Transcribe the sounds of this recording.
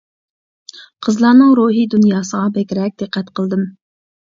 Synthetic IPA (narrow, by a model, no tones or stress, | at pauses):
qʰəzlˠɑːnɨŋɾuɦid̪unjɑːsəʁɑbɛkʲɾɛk̚ʲd̪̥ɨqʰːɛt̪qʰəlˠd̪ɨm